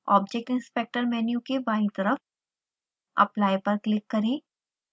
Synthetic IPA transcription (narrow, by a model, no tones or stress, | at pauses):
ɔ̰ːbd͡ʒek̚ʈɪ̃nspek̚ʈəɾmɛːnjũkebaːnit̪ɐɾəf | ɐ̰plaːjpɐɾklɪkːɐɾẽː